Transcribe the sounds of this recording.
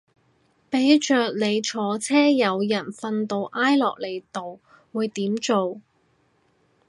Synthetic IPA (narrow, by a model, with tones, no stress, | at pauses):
pe˨˧˥jt͡ʃœː˨k̚le˨˧jt͡ʃʰɔː˨˥t͡sʰɛː˥jɐ˨˧wjɐ˨˩nfɐ˧nt̪o˧wʔaː˥jlɔ̰ː˨k̚le˨jt̪o˨w | wuː˨˧jt̪iː˨˥mt͡ʃo˨w